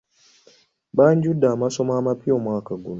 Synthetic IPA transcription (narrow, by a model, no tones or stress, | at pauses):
baɲd͡ʒudamasɔmaːmapiɔmwakaɡun